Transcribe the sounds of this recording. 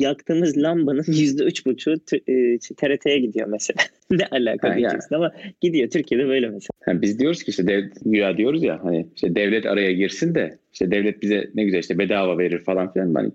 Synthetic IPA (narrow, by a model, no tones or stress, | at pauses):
jakt̪ʰɯːmɯzlʲˠambanɯnjyzd̪ɛyt͡ʃbut͡ʃʰuːt̪ʰːiʃɛt̪ʰeɾet̪ʰe̞jɛɟid̪ijo̞̰mese̞lʲa | nɛʔalʲa̰ːkʰaid͡ʒisinamaɟ̥id̪ijo̞t̪ʰyɾcʰijed̪ɛbø̞jlʲɛmesehænbizd̪ijo̞ɾuzcʰiʃt̪ʰɛd̪ɛvɟyjaːd̪ijo̞ɾuzja̰haniiʃt̪ʰɛd̪ɛvlʲɛt̪ʰa̰ɾajaɟiɾsind̪ɛiʃt̪ʰɛd̪ɛvlʲɛt̪̚bizɛ̰nɛɟyzælʲiʃt̪ʰɛbed̪aːvave̞ɾiɾfalˠanfilʲa̰nba̰n̰